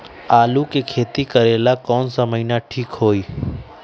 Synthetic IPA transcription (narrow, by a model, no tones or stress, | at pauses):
aːlukekʰeːt̪ikəɾeːlakɔːnsəməinaʈʰiːkɦoːiː